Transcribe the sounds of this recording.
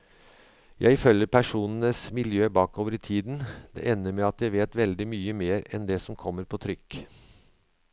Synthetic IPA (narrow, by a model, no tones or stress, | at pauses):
jʔæ̰ɪɪfœləpʰæʂuːnənəsmɪljøːbɑːkoːʋəɾit̪ʰiːd̪nd̪ɛ̰ːʔɛnːəmɛɑt̪jæɪʋeːt̪ʋɛld̪ɪmyːəmeːɾɛnd̪ɛsɔmkʰɔmːəɾpʰoːt̪ʰɾʏkː